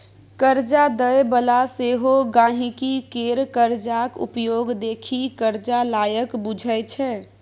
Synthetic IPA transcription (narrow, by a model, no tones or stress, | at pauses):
kəɾd͡ʒad̪əjbəlaseːɦoɡãːɦĩkikeːɾkəɾd͡ʒakʊ̰pjoːɡd̪eːkʰikəɾd͡ʒalaːjəkbʊd͡ʒʱəjt͡ʃʰɛ